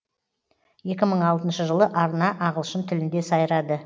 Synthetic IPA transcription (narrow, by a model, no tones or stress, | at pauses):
je̞kʲɪməɴɑlˠt̪ənʃəʒəlˠəʔɑɾənɑʔɑʁəlˠʃənt̪ʰɪlɪnd̪e̞sɑjɾɑd̪ə